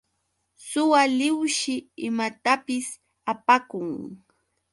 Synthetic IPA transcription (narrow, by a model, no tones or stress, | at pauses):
sʊwalɪwʃɪɪmat̪apɪs | apakʊŋ